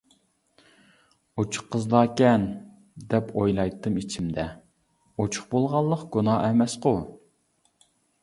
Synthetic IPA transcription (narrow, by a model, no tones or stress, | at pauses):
ot͡ʃʰʊ̥χqʰːəzlˠɑːkʲɛn | d̪ɛpʰojlˠɑjt̪ʰːɨmit͡ʃʰimd̪ɛ | ot͡ʃʰʊ̥χbolˠʁɑlˠːəqɡ̥unɑːɛmɛsqʊ